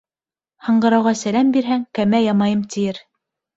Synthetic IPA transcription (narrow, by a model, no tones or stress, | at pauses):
hɤ̆ɴɢɤ̆ɾɑwʁɑsælæmbiɾɦæŋkæmæjɑmɑjɤmt̪ʰijɘɾ